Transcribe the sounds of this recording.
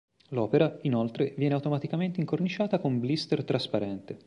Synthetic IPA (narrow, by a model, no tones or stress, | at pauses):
lɔːpeɾainolt̪ɾevjɛːneawt̪omat̪ikament̪eiŋkornit͡ʃaːt̪akomblist̪ert̪ɾaspaɾɛnt̪e